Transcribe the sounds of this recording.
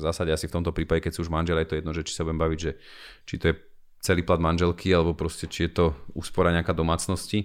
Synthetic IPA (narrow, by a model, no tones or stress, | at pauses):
zaːsaɟɛasift̪ɔmt̪ɔpɾiːpaɟɛkɛcsuuʒmanʒɛlajɛt̪ɔjɛd̪nɔʒɛt͡ʃi̥sabuɟɛmbaʋiɟʒɛ | t͡ʃit̪ɔjɛ | t͡sɛliːplad̪manʒɛlkʰialɛbɔpɾɔscɛt͡ʃijɛt̪ɔṵːspɔɾaɲɛakaːd̪ɔmaːt͡snɔsci